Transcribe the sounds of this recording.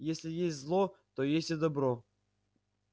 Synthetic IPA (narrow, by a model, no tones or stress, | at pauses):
jesʲlʲɪjesʲtʲzlˠot̪ojesʲtʲɪd̪ɐbɾo